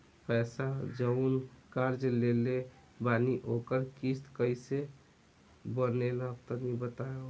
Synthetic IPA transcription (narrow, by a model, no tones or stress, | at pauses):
pɛsad͡ʒəʊnkaɾd͡ʒlele | baniʔokəɾkist̪kəjse | bənelaəb̚t̪ənibət̪ajo